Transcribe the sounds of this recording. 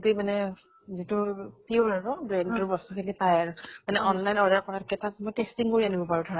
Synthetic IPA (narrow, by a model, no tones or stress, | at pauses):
temanɛ | zitʊpiuɹaɹʊbɹɛndʊɹbɔstɔkʰelipajaɹʊmanɛʔɔnlajnɔɹdaɹkɔɹatkɛtamojtestiŋkoɹianibɔpaɹudʰʱɔɹa